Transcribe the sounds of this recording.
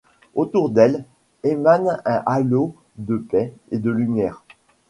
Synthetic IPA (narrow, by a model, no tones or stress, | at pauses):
ot̪uʁd̪ɛl | emanɛ̃ʔalo | d̪əpɛed̪əlymjɛːʁ